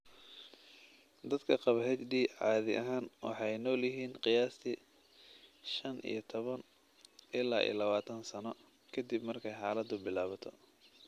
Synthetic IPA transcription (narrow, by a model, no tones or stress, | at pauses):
d̪ɐd̪kʰɐqɑβɐɦɛt͡ʃɖiːʕɑːðɪ̰ʔɐɦaːnwɑ̰ħɑjnɔːljɪɦiːnqɪjaːst̪ʰi | ʃɐnḭjɞt̪ʰɔβɐn | ʔɪlaːʔḭlɐβaːt̪ʰɐnsɐnɔ | kʰɐd̪ibmɐrkʰɛjħɑːlɐd̪ʊbɪlaːβɐt̪ʰɔ